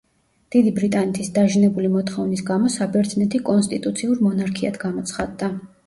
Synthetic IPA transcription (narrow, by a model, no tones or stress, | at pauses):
d̪̥id̪ibɾit̪ʼanɛt̪ʰisd̪aʒnɛbulimɔt̪ʰχɔvnisɡamɔsabɛɾt̪ʰnɛt̪ʰikʼɔnst̪ʼit̪ʼut̪sʰiuɾmɔnaɾkʰiat̪ʰɡamɔt̪sʰχad̪ːa